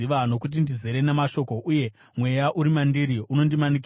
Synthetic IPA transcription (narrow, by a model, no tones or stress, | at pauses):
iʋano̞kut̬indizeɾe̞ne̞maʃo̞ko̞ʔuje̞ | mwe̞jaʔuɾimandiɾiuno̞ndimanik̬i